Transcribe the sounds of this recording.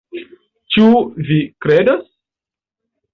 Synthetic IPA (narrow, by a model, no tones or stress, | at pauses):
t͡ʃuvikɾedas